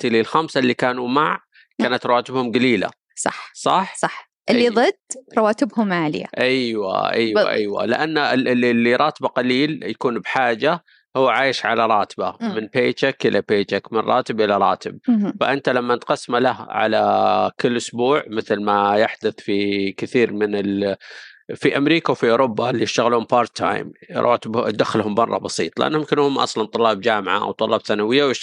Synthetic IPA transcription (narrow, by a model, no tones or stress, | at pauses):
t̪ɪlːilxamsalːikaːnumaʕ | kaːnat̪ɾˤɑwaːt̪ɪbhʊmɡaliːla̰ | sˤɑ̰ħsˤɑħsˤɑħ | ʔɪːiððˤɨd̪ɾˤɑwaːt̪ɪbhʊmaːlɪja̰ʔajwa̰ʔajwa̰ʔa̰jwa̰lɪ̰ʔanːaɪlːiɾˤɑːt̪baqɑliːljakuːnbħaːd͡ʒa | hʊːʕaːjɪʃʕalaɾˤɑːt̪bamɪnpeːt͡ʃakʔɪlʔapeːt͡ʃakmɪnrˤʔɑ̰ːt̪ɪbʔɪlːaɾˤɑ̰ːt̪ɪb̚faʔɪnt̪alamːanɪt̪qɑsːmalahʕa̰lakɪlːʔʊsbuːʕmɪθlmajaħd̪ʊθfikɪθiːɾmɪnɪl | fiʔamɾiːkawfiʔʊːɾʊbːalːijɪʃt̪aɣluːmpɑːɾˤt̪ʰːa̰ːj̰mɾˤʔɑ̰ːt̪ɪbd̪axːɪlhʊmːɑrˤːɑ̰bɑsḭːt̪ˤlɪʔa̰nːjmkɪnhʊmːʔɑ̰sˤlɑnt̪ˤʊlːɑːb̚d͡ʒaːmʕa̰ʔa̰wt̪ˤʊlːɑːbθanawɪjːawjɪʃ